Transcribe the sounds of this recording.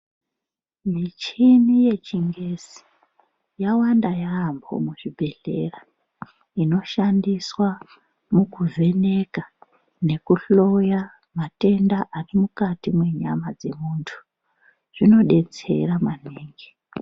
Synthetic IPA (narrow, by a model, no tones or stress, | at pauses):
mit͡ʃinije̞t͡ʃiŋɡesi̥ | jawandajaːmbo̞̰muʐibʱe̞ɮe̞̰ra | ino̞ʃandiswa | mukuve̞ne̞ka | ne̞kuɬo̞ja | mate̞ndaʔarimukatimwe̞ɲa̰mad͡ze̞muːntʰu̥ | ʐ̥ino̞ɗe̞t͡se̞̰ɾamaneːŋɡe